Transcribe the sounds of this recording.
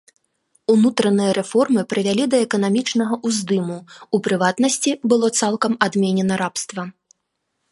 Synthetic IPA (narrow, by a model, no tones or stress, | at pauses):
unut̪ɾɐnɨjɐɾʔɛfɔrmɨpɾɨvʲalʲid̪ɐɛkɐnamʲit͡ʂnɐɣɐʔuzd̪ɨmuupɾɨvat̪nɐsʲt͡sʲibɨlˠɔt̪salˠkɐmad̪mʲenʲɛnɐɾapst̪vɐ